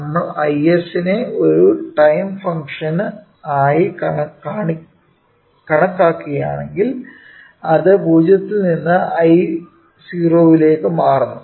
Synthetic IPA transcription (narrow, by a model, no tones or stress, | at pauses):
mːɐʔɐjesine̞o̞ɾuʈɐjmfɐŋkʂɐn | aːjikɐɳɐkaːɳi | kɐɳɐkːaːkːiɣɐja̰ːɳeŋɡil | ɐðɨbʱuːd͡ʑjɐt̪ːininːɨɐj | siːroːʋile̞ːkːɨmaːrunːu